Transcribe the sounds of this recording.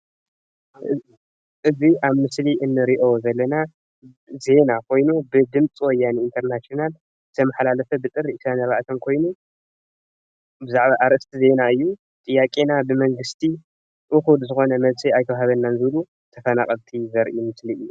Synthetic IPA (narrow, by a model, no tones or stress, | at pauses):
ʔɨziʔaβmɨsliʔɨnːɨɾiʔozɐlːɐna | ze̞nakʰo̞jnubɨd̪ɨmt͡sʼwɔjːaniint̪ʰɐɾnasional | zɨt̪ʰɐmɐħlalɐfɐbɨt̪ʼɨrːiʔsanɐβaʔt̪ʰɐnkʰo̞jnu | bɨzaʕβaʔaɾʔɨst̪ʰize̞naɨjːu | t̪ʼɨjːakʼenabɨmɐŋɡɨst̪ʰi | ʔɨxud̪zɨxo̞nɐmɐβsiajt̪ɐwɦaβɐnːanzɨβlu | t̪ʰɐfɐna̰χʼɐlt̪ʰizɐɾʔimɨsliɨjːu